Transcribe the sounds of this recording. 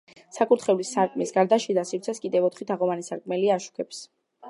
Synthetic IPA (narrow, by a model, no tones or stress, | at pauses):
sakʰʼuɾt̪χɛvlisːaɾkʼmisɡaɾd̪aʃid̪asiɾt̪sʰɛskʼid̪ɛvɔt̪ʰχit̪ʰaʁɔvanisaɾkʼmɛliaːʃu̥kʰɛps